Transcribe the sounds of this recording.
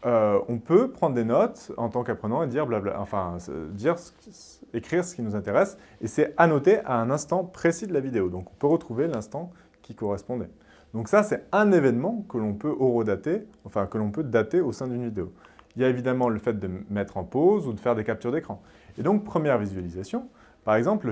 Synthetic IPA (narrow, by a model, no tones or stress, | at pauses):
øɔ̃pøpχɑ̃d̪ʁd̪enɔt̪ɑ̰̃t̪ɑ̃kapχənɑ̃ed̪iʁblabla̰ɑ̰̃fɛ̰̃d̪iʁsə̥k | ekχiʁsə̥kʲinuzɛ̃t̪eʁɛs | esɛanɔt̪eʔaɛ̃nɛ̃st̪ɑ̃pχesid̪əlavid̪eod̪ɔ̃kɔ̃pøʁət̪χuvelɛ̃st̪ɑ̃ | kʲikɔʁɛspɔ̃d̪ɛ | d̪̥ɔ̃ksasɛt̪ɛ̃nevɛnmɑ̃kəlɔ̃pøʔoʁod̪at̪eɑ̃fɛ̃kəlɔ̃pød̪at̪eosɛ̃d̪ynvid̪eoiljaevid̪amɑ̃ləfɛt̪̚d̪əmɛt̪χɑ̃pozud̪əfɛʁd̪ekap̚t̪yʁd̪ekχɑ̃ | ed̪ɔ̃k̚pχəmjɛʁvizɥalizasjɔ̃ | paʁɛɡzɑ̃pl